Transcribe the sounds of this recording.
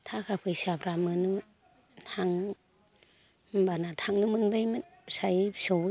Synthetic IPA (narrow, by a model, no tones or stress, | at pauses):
tʰakʰapʰɯjsapʰɾamɯnɯm | tʰaŋ | mbanatʰaŋnɯmɯnbajmɯn | sajsow